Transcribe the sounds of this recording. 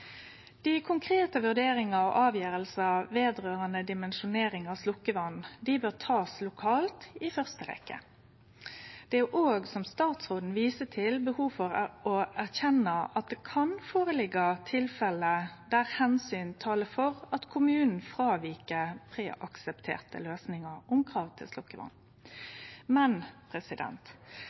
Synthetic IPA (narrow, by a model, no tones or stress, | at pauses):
d̪̥ɪkʰʊŋkʰʁeːt̪əʋʉʁd̪eːɾɪŋɑɔʔɑːʋjøːɾəlsəʋeːd̪ʁøːʁənəd̪ɪmɛnʃʊneːɾɪŋɑslʊkːəʋɑnd̪ɪbøːʁt̪ʰɑːslʊkʰɑːlt̪ɪfœʁst̪əɾɛ̰kːə̰ | d̪̥ɛæʔoːɡsɔmst̪ɑːt̪sʁoːd̪n̩ʋiːsət̪ʰɪlbəhuːfɔɾɔæʁçɛnəɑt̪̚d̪ɛkʰɑnfoːʁəlɪɡət̪ʰɪlfɛləd̪æʁhɛnsyːnt̪ʰɑːləfɔʁɑt̪kʰʊmʉːnn̩fʁɑːʋiːkəpʰʁeːʔɑksəpt̪ʰḛːʁt̪ə̰løːsnɪŋəʁʊmkʰʁɑːʋt̪ʰɪ̰lslʊkːəʋɑ̰n | mɛnpʰɾɛsɪd̪ɛ̰nt̪